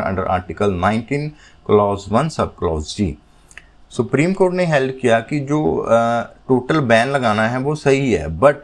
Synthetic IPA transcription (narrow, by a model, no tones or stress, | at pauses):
ɐ̰̃ɳɖəɾa̰ːɾʈɪkəlnãːɪ̃ɳʈiːn | klɔːzʋɐnsɐb̚klɔːzd͡ʒḭː | sʊpɾiːmkoːɾʈneɦɛlt̪̚kijakid͡ʒoː | ʈoːʈəlbɛ̃ːnlɐɡaːnaɦɛʋosɐɦiɦɛ̰ːbɐʈ̚